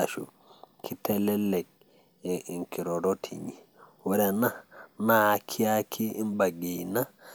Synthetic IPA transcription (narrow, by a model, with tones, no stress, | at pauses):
a˨ʃṵ˨ | kʰi˦tɛ˦lɛ˦lɛ˨k̚ | ɛʔi˨ŋki˨ɾɔ˨ɾo˦tʰḭ˨ɲi˨wɛ˦ɾɛ˨na˦naː˨kʰi˦a˦kʰiː˦nba˨ɡi˨na˦